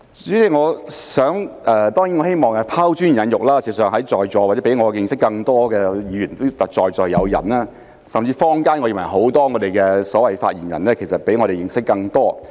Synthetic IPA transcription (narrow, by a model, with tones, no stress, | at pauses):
t͡sy˨˥i˨˧ŋɔː˨˧sœː˨˥ŋʔɛː˧t̪ɔː˥ŋjiː˨˥ŋɔː˨˧he˥jmɔː˨˩ŋɛ˧pʰaː˥wt͡ʃy˥n˨jɐ˨˧njʊ˨k̚laː˥siː˨˧sœː˨ŋɦɐ˨˥jt͡sɔː˨jt͡sɔː˨waː˨˩t͡sɛ˨˦˥e˨˥jŋɔː˧jɪ˧ŋsɪ˥kːɐ˧ŋt̪ɔː˥kɛː˧jiː˨˧jyː˨˩nt̪o˥wt̪ɐ˨k̚t͡ʃɔː˨jt͡sɔː˨jːɐ˨˧wjɐ̰˨˩nːaː˥ | sɐ˨mt͡siː˧fɔː˥ŋkaː˥nŋɔː˨˧iː˨˩mɐ˨˩jɦo˨˥wt̪ɔː˥ŋɔː˨˧t̪e˨jkɛː˧sɔː˨˥wɐ˨jfa̰ː˧t̚jiː˨˩njɐ̰˨˩nlɛː˥kʰe˨˩sɐ˨t̚pe˨˥jŋɔː˨˧ɾe˨jɪ˨ŋsɪ˥kːɐ˧ŋt̪ɔː˥